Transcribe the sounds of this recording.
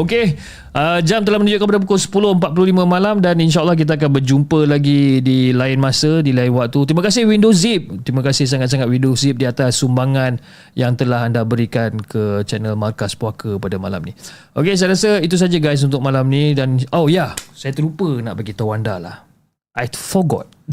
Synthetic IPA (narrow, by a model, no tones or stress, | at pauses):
oke | ʔəd͡ʒamt̪əlahmənud͡ʒuʔkəmp̬adap̬ukʊlsə̥pulohəmpat̪̚pululimə̃malamdaninʃ̬aalːɑhk̬it̪̬aak̬anbərd͡ʒumpəlaɡidilaɪnmasədilaɪnwak̚t̪ut̪ɾimakas̬ɪhwindoszip̚t̪ɾiməkasɪhs̬aŋat̪saŋat̪windozip̚diat̪asːumbaŋan | jaŋt̪əlaɦandabəɾikankʰət͡ʃɛnəlmarkaspuakʰəpadama̰la̰mniʔokes̬ajɾasəit̪̬us̬ad͡ʒaɡajs̬unt̪ʊk̚malamnĩdanojasajat̪əɾupəna̰ʔbaɡit̪awanda̰la̰h | ʔajfɔɡɔ̰t̪̚